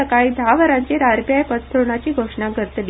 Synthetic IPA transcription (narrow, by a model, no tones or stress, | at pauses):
əkaid̪ʱaʋəɾãɲt͡ɕeɾaɾpjajpət̪ʰːəɾɳat͡ɕiːɡʱoʂɳaɡʱəɾət̪li